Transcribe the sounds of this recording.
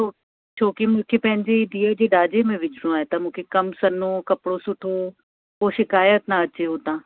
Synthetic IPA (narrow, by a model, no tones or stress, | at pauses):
oː | t͡ʃʰoːkɪmʊ̃ːkʰepɛɦɪ̃ɲd͡ʒeːɪd̪iɛːd͡ʒeːɖaːd͡ʒeːmɛ̃ːʋɪt͡ʃɽõːɛːt̪ãːmʊ̃ːkʰekəmsənõːkəpɽoːsʊʈʰoː | oːʃɪkaːjət̪nãːətːʃʰeːɦoːt̪ãː